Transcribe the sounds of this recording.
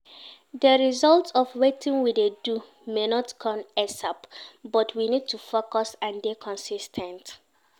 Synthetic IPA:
dəɹizɔltɔfwetĩŋwidedu | menɔtkʰɔ̃mɛsapbɔtʰwinid̚tʰufokɔsãndekʰɔ̃nsistʰɛ̃nt

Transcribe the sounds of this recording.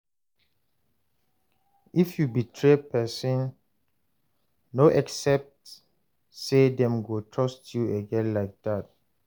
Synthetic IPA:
ifjubitʰɹepʰɛsɔ̃n | noʔɛksɛp̚t | sedɛ̃mɡotʰɹɔstjuəɡɛ̃nlaɪk̚d̥at̚

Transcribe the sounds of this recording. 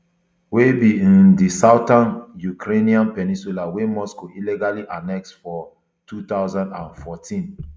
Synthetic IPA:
webiĩndisaʊtãnjukɾeniãnpɛnĩsulawemɔskoilɛɡaliʔanɛk̚sfɔ | tʰut̪aʊzãndãnfɔtʰĩn

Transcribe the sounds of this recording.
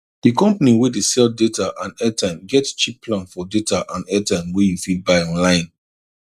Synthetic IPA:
d̥ikɔ̃mpaniwedesɛldetaʔãnɛtãɪ̃mɡɛtt͡ʃipːlãnfɔdetaʔãnɛtãɪ̃mwejufilbaɪɔ̃nlãɪ̃n

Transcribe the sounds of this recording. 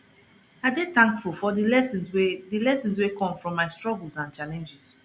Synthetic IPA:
aɪdetãŋkfulˠfɔdilɛsĩnswedilɛsĩnswekɔ̃mfɹɔ̃mːaɪstɹɔɡəlˠsãnt͡ʃalɛ̃nd͡ʒis

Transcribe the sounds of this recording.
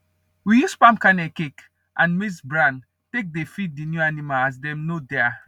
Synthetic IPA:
wijuspãmkanɛkek | ʔãnmisbɹãn | tek̚defit̚dinjuanimaas̬dɛ̃mnodɛa

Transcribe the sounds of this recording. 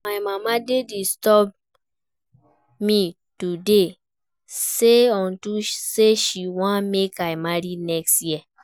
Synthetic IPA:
maɪmamadedistɔb̚ | mĩ | tude | seɔ̃ntuseʃiwãmekaɪmaɹinɛkstjiɛ

